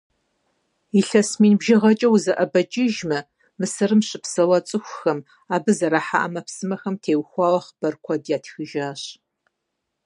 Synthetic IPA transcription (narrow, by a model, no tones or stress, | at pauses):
iɬɐsmiːnbʒɐʁɐt͡ʃʼɐwzɐʔɐbɐt͡ʃʼɪʒmɐ | mɨsɐrɨmɕʼɪpsɐwɐt͡sʼɨxʷʊxɐm | aːbɨzɐɾaːħa̰ʔɐmɐpsɨmɐxɐmtʰeːwxʷɑːwɐχb̥ɐrkʷʰɔdjaːtʰxɨʒaːɕ